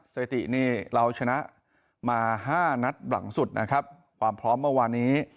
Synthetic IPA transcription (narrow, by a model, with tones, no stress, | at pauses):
seː˨˩t̪ḭ˨˩niː˥˩ɾa˧wt͡ɕʰa˧na˦˥ʔ | maː˧ɦaː˥˩na˦˥t̪̚ba̰˩˦ŋsu˨˩t̪̚nʔa̰˦˥kʰa˦˥p̚ | kʰwaː˧mpʰɾɔː˦˥mːɯ˥˩ɐwaː˧nːiː˦˥